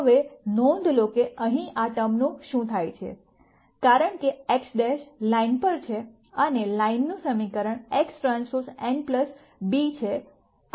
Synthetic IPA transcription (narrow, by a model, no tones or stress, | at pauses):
ɦəʋenõnd̪ʱlokeʔəɦĩʔat̪əmnũʃũt̪ʰajt͡ʃʰḛ | kaɾəɳkeeksɖeʃlainpəɾt͡ʃʰe | ənelainːũsəmikəɾəɳeksʈɾãnsoɾseɳɖpləs | bit͡ʃʰe